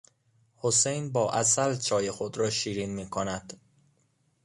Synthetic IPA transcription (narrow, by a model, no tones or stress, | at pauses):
hosejnbɒːʔæsælt͡ʃʰɒːjexod̪ɾɒːʃiːɾiːnmiːkʰonæd̪̥